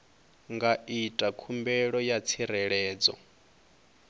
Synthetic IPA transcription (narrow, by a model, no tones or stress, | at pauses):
ŋɡaitʼakʰumbɛɺɔjat͡sʰiɾɛɺɛːd͡zɔ̰